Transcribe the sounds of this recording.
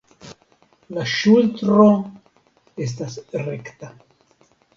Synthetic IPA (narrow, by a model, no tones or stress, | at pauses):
laʃultɾo | es̬tasɾekt̪a